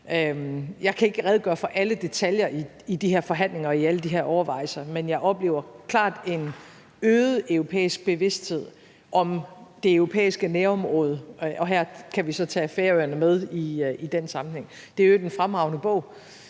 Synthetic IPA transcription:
øjɑ̈ɪkʰæe̝ɡ̥əʁɛðˠɡ̥ɶɐfɒ̽ʔæləd̥e̝t͡sʰæljɐi | id̥iɦeɐfɒ̽ɦæn̰le̝ŋɐɒiæləd̥iɦeɐʔɒʊɐʋɑ̈ɪ̰sɐmenjɑ̈ɪʔɒ̽b̥le̝̰ːʊɐkʰlɑ̰̈ːd̥e̝n | øːð̩ˠøʊʁo̝pʰḛːisɡ̥̚b̥e̝ʋe̝sd̥he̝ð̞̰ˠ | ʔɒ̽md̥e̝øʊʁo̝pʰḛːisɡ̥əneːɒ̽mʁɔ̽ːð̞ˠəʔɒ̽ɦæɐ̰kʰæʋisɒ̽t͡sʰɛ̰ːfeɐøɐnəmeð̞ˠiid̥ensɑ̈mn̩heŋ̰ | d̥e̝jod̥enfʁamʁɑ̈ʊ̰nəb̥ɔ̽ʊ̰

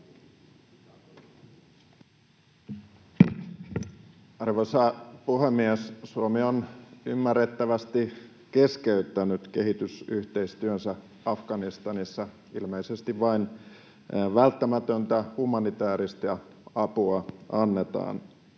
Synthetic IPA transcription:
ɑrʋosɑpuhemːiessuomionymːærːe̞t̪ːæʋæst̪i | ke̞skeyt̪ːænyt̪ke̞ɦit̪ysyht̪e̞ist̪yønsæ | ɑfɡ̥ɑnist̪ɑnisːɑ | ilmeisest̪iʋʋɑin | ʋælt̪ːæmæt̪ønt̪æhumɑnit̪æːɾist̪jɑɑpuɑʔɑnːe̞t̪ɑ̰ːn

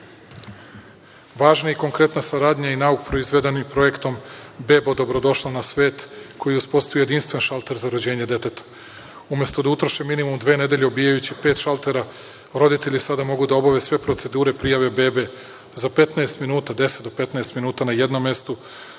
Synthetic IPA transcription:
ʋaːʒnaiko̞ŋkɾe̞t̪nasaɾaːd̪ɲainaukpɾo̞izʋe̞d̪e̞nimpɾo̞je̞kt̪o̞mbe̞bod̪o̞bɾo̞d̪o̞ʃlˠanasʋe̞ːt̪kʰo̞jiuspo̞st̪ujejeinst̪ʋenʃalˠt̪eɾzaɾod͡ʑe̞ːɲed̪e̞t̪et̪ḁ | umʲje̞st̪o̞d̪aut̪ɾoʃeminimumd̪ʋe̞ːne̞d̪e̞ʎʲeobijajut͡ɕipe̞ːt̪ʃalt̪eɾa | ɾo̞d̪it̪e̞ʎisad̪amo̞ɡud̪ao̞baʋe̞sʋe̞pɾo̞t̪se̞d̪uːɾe̞pɾijaʋe̞be̞ːbe̞ | zape̞t̪naest̪minuːt̪ad̪e̞set̪d̪ope̞t̪naest̪minuːt̪anaje̞d̪no̞mːe̞st̪u

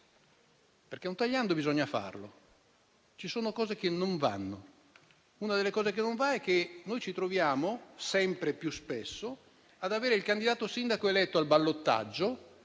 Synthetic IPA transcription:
perk̟enunt̪aʎːand̪obizɔɲːafa̰rlo | t͡ʃisoːnokɔːzek̟enːoɱva̰nːo | unad̪elːekɔːzekenːoɱvaɛk̟ːenojt͡ʃit̪ɾovjaːmosɛmpɾepjuspesːo | ad̪aveːɾeilkand̪id̪aːt̪osind̪akoelɛt̪ːoalbalːot̪ːa̰d͡ʒːo

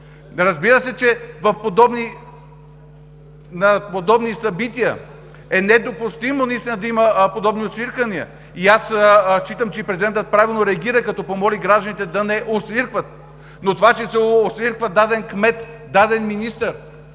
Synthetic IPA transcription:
ɾɐzbiɾəsɛt͡ʃɛvɐfpod̪ɔbni | nɐpod̪ɔbnisɐbit̪iə | ɛnɛd̪opust̪imonɐist̪ʲinəd̪ɐiməpod̪ɔbniosviɾkɐniə̰ | iast͡ʃit̪əmt͡ʃɛipɾɛzid̪ɛnt̪ət̪̚pɾavilˠnoɾɛɐɡʲiɾəkɐt̪ɔpomɔliɡɾaʒd̪ənit̪ɛd̪ɐnɛʔosviɾkvɐt̪̚ | not̪ovat͡ʃɛsɛosviɾkvɐd̪ad̪ɛnkmɛt̪ | d̪ad̪ɛnminist̪əɾ

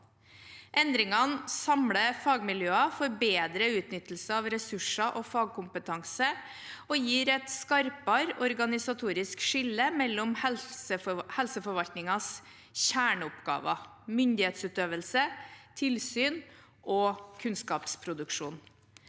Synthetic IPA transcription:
ʔɛnd̪ɾɪŋɑnsɑmɽəfɑːɡmɪljøːɑfɔɾbeːd̪ɾəʉːt̪nʏt̪ːl̩səɑʋɾɛsʉʂɑʔɔfɑːɡ̚kʰʊmpət̪ʰɑŋsə | ɔjiːɾɛt̪skɑɾpɑɾɔɾɡɑnɪsɑt̪ʰuːɾɪskʂɪlːəmɛlːɔmɛsəhɛlsəfɔɾʋɑlt̪nɪŋɑs | çæːɳəʊpɡɑ̰ːʋɑ̰ | mʏnd̪ɪheːt̪sʉːt̪øːʋəlsət̪ʰɪlsyːn | ʔɔkʰʉnskɑːpspʰɾʊd̪ʉkʂuːn

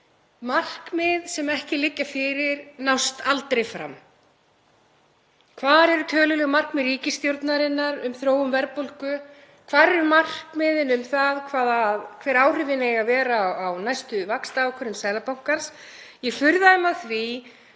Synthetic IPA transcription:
mar̥kmɪðsɛmɛhcɪlɪcːafɪːɾɪɾnawst̪alt̪ɾejfɾa̰m | kʰvaːɾɛɾʏt̪ʰœːlʏlɛɣmar̥kmɪðriːcɪst̪jowɾt̪naɾɪnːaɾʏmθɾoːwʏmvɛɾpolkʏ | kʰv̥aːðɾɛɾʏmar̥kmɪðɪnʏmθaðkʰvaːðaðkʰv̥ɛːɾaːwr̥ɪvɪnejɣavɛːɾaawnajst̪ʏvakst̪aakʰœɾʏmsɛjlapawŋ̥kaɾ̥s | jɛɣfʏɾðaðɛmaðθvi

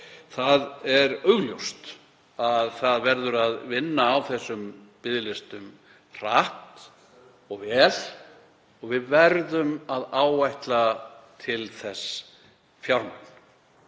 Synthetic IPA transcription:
θaðɛɾœɣljowst̪ | aðθaðvɛɾðʏɾaðvɪnːaːwθɛsːʏmpɪðlɪst̪ʏm | r̥aht̪ | ɔɣvɛːl | ɔɣvɪðvɛɾðʏmaðaːwajht̪lat̪ʰɪlθɛs | fjawɾmak̪n̥

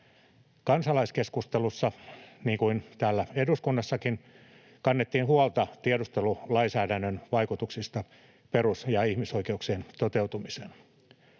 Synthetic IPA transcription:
kɑnsɑlɑiskeskust̪elusːɑniːŋkuint̪æːlːæeduskunːɑsːɑkin | kɑnːet̪ːiːnhuɑlt̪ɑt̪iedust̪elulɑinsæːdænːønʋɑikut̪uksist̪ɑ | perusjɑihmiso̞ikeuksient̪ot̪eut̪umisen

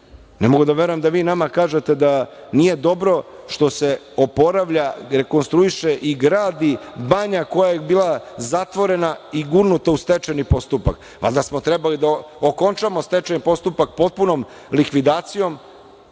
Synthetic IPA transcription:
nemoɡud̪aʋeɾojemd̪aʋiːnamakaːʒet̪e̞d̪anije̞d̪o̞bɾo̞ | ʃt̪o̞se̞ | opo̞ɾaʋʎaɾe̞ko̞nst̪ɾuiʃe̞ʔiɡɾaːd̪ibaɲako̞jajebiːlazat̪ʋo̞ɾe̞naiɡuɾnut̪aust̪et͡ʃenipo̞st̪upa̰k | a̰d̪asmot̪ɾɛbalid̪aoko̞nt͡ʃamo̞st̪et͡ʃenipo̞st̪upak̚po̞t̪̚puno̞m | likʋid̪aːt̪sijo̞m

